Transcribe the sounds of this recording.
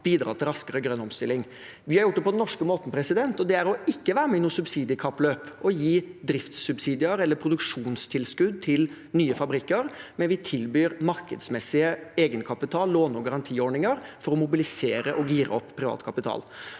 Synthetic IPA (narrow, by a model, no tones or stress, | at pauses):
b̥iːd̪ɾɑ̰ːt̪ʰɪlɾɑskəɾəɡɾœnɔmst̪ɪlːɪŋ | ʋɪhɑɾjʊʈ̚ːd̪pʰɔd̪ɛnnɔʂkəmoːt̪n̩pʰɾɛsɪd̪ɛnt̪ɔd̪ɛæɾɔɪkːəʋæːɾəmɛɪnuːsʉbsiːd̪ɪəkʰɑpːløːpʔɔjiːd̪ɾɪft̪sʉbsiːd̪ɪəɾɛlːəɾpʰɾʊd̪ʉkʂuːnst̪ʰɪlskʉd̪̚t̪ʰɪl | nyːəfɑbɾɪkːəɾmɛnʋɪt̪ʰɪlbyːɾmɑɾkəd̪smɛsːɪəeːɡənkʰɑpɪt̪ʰɑːlːoːnɔɡɑɾɑnt̪ʰiːoːɳɪŋəɾfɔɾɔmʊbɪlɪseːɾəʔɔɡiːɾə̰ɔpːʰɾɪʋɑ̰ːt̪kʰɑpɪt̪ʰɑ̰ːl